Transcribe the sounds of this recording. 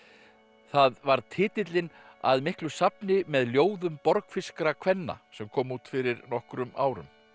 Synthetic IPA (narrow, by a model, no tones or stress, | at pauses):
θaðvaɾt̪ʰɪːt̪ɪt̪lɪn | a̰ðmɪhklʏsapnɪmɛðljoːwðʏmpɔɾkfɪskɾakʰv̥ɛnːa̰sɛmkʰɔːmuːt̪fɪɾɪɾnɔhkɾʏmaːwɾʏ̰m